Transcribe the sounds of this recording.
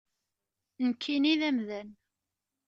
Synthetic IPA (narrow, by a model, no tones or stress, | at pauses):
nəkʰːiniðæmðæn